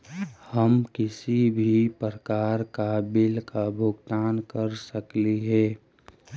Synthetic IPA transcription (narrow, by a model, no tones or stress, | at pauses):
həmkɪsibʱipɾəkaːɾkaːbɪlkabʱʊɡt̪aːnkəɾsəkliɦɛː